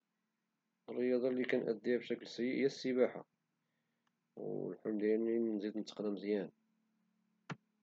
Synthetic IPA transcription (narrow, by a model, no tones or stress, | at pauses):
ərˤːəjɑd̪ˤɑlːikænʔə̰d̪ːibʃæklsjiʔjːæsːəbaħa̰ | w̰lħʊmd̪ininzid̪nt̪ːə̥qd̪əmzjæn